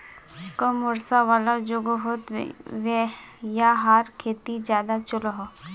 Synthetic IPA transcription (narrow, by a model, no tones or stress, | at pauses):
kəmʊɾsaʋaːlad͡ʒoɡoɦot̪ʋejaɦaːɾkʰeːt̪id͡ʒjaːd̪at͡ʃʊlɦo